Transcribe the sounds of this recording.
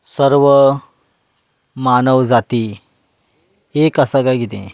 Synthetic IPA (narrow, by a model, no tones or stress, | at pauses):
səɾʋə | manəʋd͡zat̪i | ekasaɡajɡit̪ḛ̃